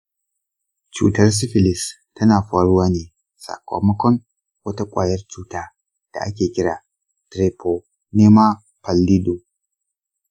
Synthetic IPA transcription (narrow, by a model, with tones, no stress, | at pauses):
t͡ʃṵː˦˨tɐ˦rs̬ɪ˦ɸɪ˨lɪ˨s | tɐ˦naː˨ɸaː˨ɽʊ˦waː˦neː˨ | sa̰˨kʷo̰˨mɐ˦kʷɔ˦ŋ | wɐ˦ta˦kʷʼa̰ː˨jɐ˦rt͡ʃuː˦taː˦ | d̥a̰˨ʔa˦kʲeː˨kʲɪ˦ɽaː˨ | tɾeː˨pʰo˨ | neː˦ma˦ | pɐ˨lːi˦do˨